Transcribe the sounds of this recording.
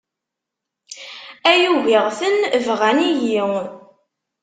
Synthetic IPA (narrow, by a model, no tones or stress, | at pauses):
æjuviʁθənvʁæniʝi